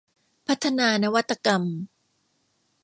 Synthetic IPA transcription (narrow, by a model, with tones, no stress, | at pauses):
pʰa˦˥t̪ʰːa˧naː˧na˦˥wa˦˥t̪ːa˧ka˧m